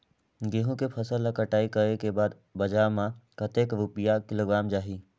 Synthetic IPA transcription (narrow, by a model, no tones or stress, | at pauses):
ɡeːɦõkepʰɐsələkəʈaːikəɾekebaːd̪ | bɐd͡ʒaːmãkət̪eːkɾupijakɪloːɡɾaːmd͡ʒaːɦiː